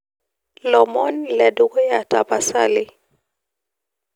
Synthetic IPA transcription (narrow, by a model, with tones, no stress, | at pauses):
lɔmɔ˦nlɛ˨du˦ɡɔ˦jatabasa̰˦li